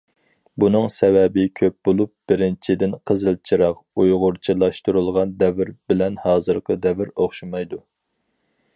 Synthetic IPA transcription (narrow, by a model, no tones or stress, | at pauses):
bunɨŋsɛvɛbɪkʲʰøp̚b̥olˠup̚b̥ɪɾɪnt͡ʃʰid̪ɪnqʰəzɨlˠt͡ʃʰiɾɑqujʁʊɾt͡ʃʰilˠɑʃt̪uɾulˠʁɑnd̪ɛvɪɾbɪlɛnhɑːzɨɾqʰəd̪ɛvɪɾoχʃumɑjd̪u